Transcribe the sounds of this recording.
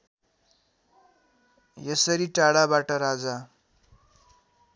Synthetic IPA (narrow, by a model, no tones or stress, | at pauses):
jʌsəɾiʈaɽabaʈʌɾad͡za